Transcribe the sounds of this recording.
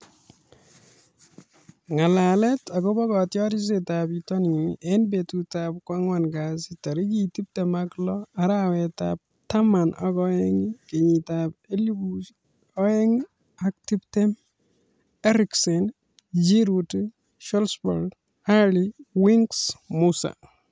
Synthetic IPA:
ŋalalɛtaɡɔbɔkɔtjɔɾis̬etapitɔniʔɛnbetutap̚kwaŋwanɡasitaɾikitip̚tɛmaklɔaɾawɛta̰p̚ | tamanɔkɔɛŋikeɲitapelibu | ɔɛŋ | ak̚tiptem | ɛɾiksɛn | d͡ʒiɾut | ʃɔlsbɔ̰ɾd | haliwiŋksmusa̰

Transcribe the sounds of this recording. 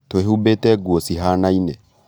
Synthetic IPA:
t̪weɦubetɛɡwosiɦanainɛ

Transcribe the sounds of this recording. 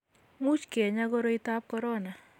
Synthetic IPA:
ŋut͡ʃkeɲaɡɔɾoitap̚kɔɾɔna

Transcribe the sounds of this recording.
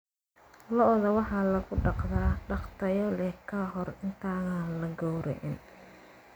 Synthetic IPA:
lɔʔðɐwɑħɑːlɐɣʊɖɑqðaːɖɑqt̪ʰɐjɔlɛkʰaɦɔrɪnt̪ʰaːɣalɐɡɔwɾɛ̰ʔɪn

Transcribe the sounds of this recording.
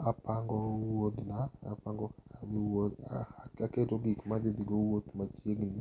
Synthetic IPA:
apaŋɡɔwod̪naa̰paŋɡɔkad̪ɪwo | aketoɡikmad̪ɪd̪iɡowot̪mat͡ʃjeɡnɪ

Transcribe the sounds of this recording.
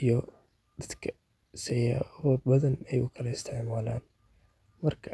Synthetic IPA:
ijɔ | d̪ɐd̪kʰɐ̥ | sɛjawɐbɐðɐnɛjʊkʰɐlɐɪst̪ʰɪʕmaːlaːn | mɐrkʰɐ

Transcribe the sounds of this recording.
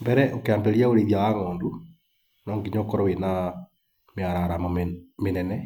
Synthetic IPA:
mbɛɾɛʔokeaːmbɛɾijaoɾeðjawaŋɔːndu | nɔːŋɡiɲokɔɾɔwena | mjaɾaɾamɔmenɛnɛ

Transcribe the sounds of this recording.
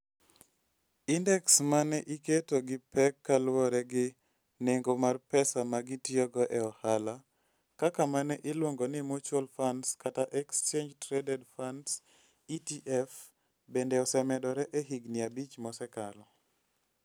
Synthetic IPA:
indɛksmanɛʔiketoɡɪpɛkːalwɔɾɛɡɪ | neŋɡomarpɛsamaɡɪtiɔɡɔʔɛɔhala | kakamanɛʔɪlwoŋɡonɪmot͡ʃwolfanskataʔɛkst͡ʃend͡ʒtɾɛdɛdfans | itiʔɛf | bendɛɔsɛmɛdɔɾɛʔeɦiɡnɪabit͡ʃmɔsɛkalɔ

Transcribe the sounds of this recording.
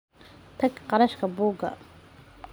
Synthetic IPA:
t̪ʰɐɡqɑɾɐʃkʰɐbuːɡɐ̰

